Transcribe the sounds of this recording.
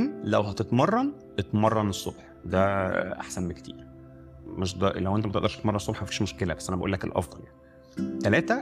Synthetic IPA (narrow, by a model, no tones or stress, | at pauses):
nlæwɦæt̪et̪mɑrˤːɑn | ʔet̪mɑrˤːɑnesˤːob̥ħ | d̪æʔa̰ħsænmekt̪ʰḭːɾ | meʃd̪ælæwʔent̪æmæt̪eʔd̪ɑɾʃtet̪mɑɾˤɑnesˤobħmæfiːʃmoʃkelæbæsːʔænæbæʔṵːlːækḛlʔɑ̰fd̪ˤɑljani̥ | t̪ælæːt̪æ